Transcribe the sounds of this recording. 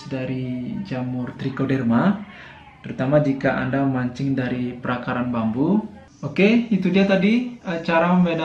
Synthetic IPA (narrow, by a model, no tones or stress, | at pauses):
daɾid͡ʒamʊrt̪ɾikodɛrma | t̪əɾut̪amad͡ʒikaʔa̰ndamaɲt͡ʃɪŋdaɾipəɾakaɾanbambu | okeit̪udiat̪adiət͡ʃaɾaməmbɛda